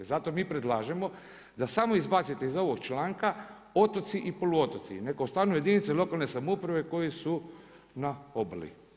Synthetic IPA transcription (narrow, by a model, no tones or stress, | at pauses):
zat̪o̞miːpɾe̞d̪lˠaːʒe̞mo̞ | d̪asamo̞izbat̪sit̪eizo̞ʋoɡt͡ʃlaːŋka | o̞t̪o̞t̪siʔipoluo̞t̪o̞t̪sḭnekoust̪aːnuje̞d̪init̪selo̞kalne̞samupɾaʋe̞ko̞jisu | naoblḭ